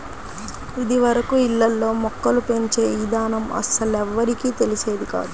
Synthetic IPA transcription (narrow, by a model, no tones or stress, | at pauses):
id̪iʋɐɾɐkuilːɐlːo̞ːmɔkːɐlupe̞ɲt͡ʃe̞ːiːd̪aːnɐmɐ̰sɐlɛʋːɐɾikiːt̪e̞lise̞ːd̪ika̰ːd̪u